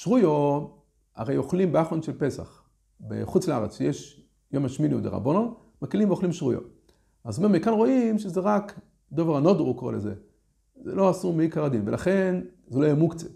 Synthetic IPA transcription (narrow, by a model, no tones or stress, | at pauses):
ʃʁujo | a̰ʁejoχlimbeaχonʃelpe̞sa̰χ | bḛχut͡sleaʁet͡sʃejeʃ | jomaʃminiṵd̪ḛʁa̰bonon | makilimveoχlimʃʁṵjo̰ | azmemekanʁo̞imʃezeʁak | d̪oveʁanod̪ʁukoʁeleze | zḛlo̞asumeikaʁad̪invelʔaχe̞n | zeloajemukt͡se